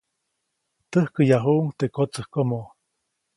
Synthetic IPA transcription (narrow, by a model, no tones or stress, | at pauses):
t̪əhkəjaɦuʔuŋt̪ekot͡səhkomo